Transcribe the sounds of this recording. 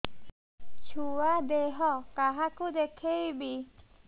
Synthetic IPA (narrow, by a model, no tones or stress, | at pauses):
t͡ʃʰuad̪eɦɔkaɦakud̪ekʰejbi